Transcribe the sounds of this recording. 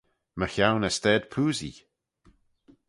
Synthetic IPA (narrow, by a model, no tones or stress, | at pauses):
məçawnəst̪ɛːd̪pʰuːzḭ